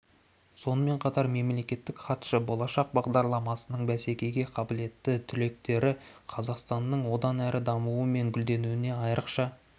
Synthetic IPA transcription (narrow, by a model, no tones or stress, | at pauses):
so̞nəme̞ɴqʰɑt̪ɑɾme̞mle̞kʲe̞t̪ːɪkχɑt̪ʃəbo̞lˠɑʃɑq̚bɑʁd̪ɑɾlˠɑmɑsənəɴbæse̞kʲe̞jɡʲe̞qʰɑbɪle̞t̪ːɪt̪ʰʏle̞k̚t̪e̞ɾɪqʰɑzɑqst̪ɑnːəɴwo̞d̪ɑnæɾʔɪd̪ɑmuəme̞ŋɡʲʏld̪e̞nuwɪne̞ɑjɾʔəqʃɑ